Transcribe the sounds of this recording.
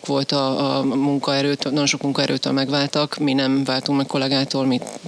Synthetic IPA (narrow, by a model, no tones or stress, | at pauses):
kʋo̞lt̪ɒmuŋkɒɛɾøːt̪ønɒjo̞nʃo̞kmuŋkɒɛɾø̰ːt̪ø̰ːlmɛɡʋaːlt̪ɒkminɛmvaːlt̪uŋkmɛkko̞lɛɡaːt̪oːlmit̪